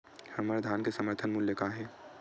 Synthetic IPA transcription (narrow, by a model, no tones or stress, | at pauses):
hɐməɾd̪ʱaːnkesəməɾt̪ʰənmʊljəkaɦɛː